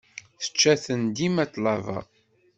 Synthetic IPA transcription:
θə̥t͡ʃːæθənd̪imæt̪ˤlɑvɑ̰

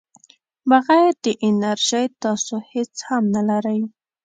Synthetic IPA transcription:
baɣajɾd̪əʔɪnaɾʒəjt̪ɑsohet͡shamnalaɾəj

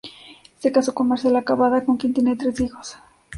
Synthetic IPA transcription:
est̪ekasokomaɾsjalakaβaðakoŋkent̪jenet̪ɾesixos

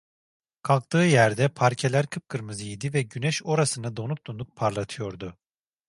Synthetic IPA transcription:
kʰalˠk̚t̪ʰɯːjæɾd̪ɛpʰaɾcʰelʲæɾkʰɯp̚kʰɯɾmɯzɯjid̪ivɛɟynɛʃo̞ɾasɯnad̪o̞nuk̚t̪unˠuk̚pʰaɾlˠat̪ʰɯjo̞ɾd̪ʊ

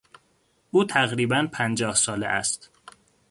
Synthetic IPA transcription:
ʔuːt̪ʰæɣɾiːbænpʰænd͡ʒɒːhsɒːlḛʔæ̰st̪

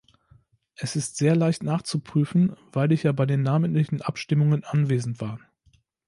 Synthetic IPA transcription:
ʔɛsɪstz̥eːɐlaɪçtnaːχt͡supʁ̥yːfn̩vaɪlɪçjaːbaɪdeːnːaːməntlɪçn̩ʔapʃtɪmʊŋənʔanveːzn̩tv̥aːɐ

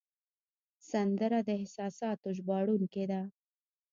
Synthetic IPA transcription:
sand̪əɾad̪əɪsɑsɑt̪oʒbɑɽunked̪a

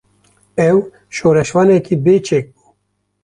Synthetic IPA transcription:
ɛw | ʃoːɾɛʃwɑːnɛkiːbeːt͡ʃʰek̚bu̥ː

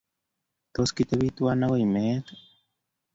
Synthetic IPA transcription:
t̪oskit̪eβit̪uanawaimet̪

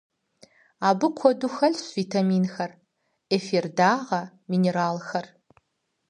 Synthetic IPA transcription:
aːbɨkʷʰɔduxɐɮɕviːtʰamiːnxɐr | eferdaːʁɐ | mineɾaːlxɐr

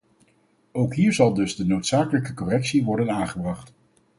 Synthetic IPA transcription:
owkɦiːɹzɑlˠdɵzdənowtsaːkələkəkɔrɛksiʋɔɹdənaːŋχəbrɑχt

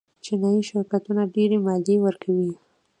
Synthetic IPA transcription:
t͡ʃinɑjiʃɪɾkat̪unaɖeɾemɑd̪ewəɾkʰawi

